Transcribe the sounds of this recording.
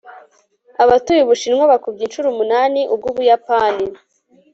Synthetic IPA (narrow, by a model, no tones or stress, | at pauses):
aβatujiβuʃinŋwaβakubɡiːnʃuɾumunaːniʔub̚ɡuːβujapaːni